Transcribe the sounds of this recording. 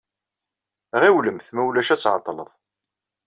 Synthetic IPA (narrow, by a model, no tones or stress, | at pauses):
ʁiwləmθmæwlæʃæt͡sːʕɑ̰t̪ˤːlə̰ðˤ